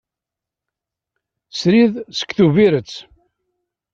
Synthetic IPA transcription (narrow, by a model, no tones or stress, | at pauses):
sɾiðsə̥kːθuviɾət͡sː